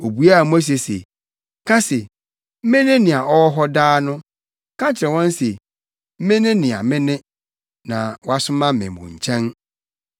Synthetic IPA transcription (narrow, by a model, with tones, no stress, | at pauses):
o˨bu˦a˦˨m˦s̬e˨sḛ˨ | kʰa˦se˨ | m̩˦mẽ˦nɪ̃˦nɪ̃˨a˨ʔɔ˦ɔ˦ɦɔ˦daː˦nʊ̃˦ | kʰã˦t͡ɕʰɪ˨ɾɛ̃˨wɔ̃˦n˦se˨ | m̩˦mẽ˦nɪ̃˦nɪ̃˨a̰˨mɪ̃˦nɪ̃˦ | nã˨wɔ˦a˦sʊ˦mã˦˨mɛ̰̃˨mʊ̰̃˨ɲ̩˨t͡ɕʰɛ̃˦n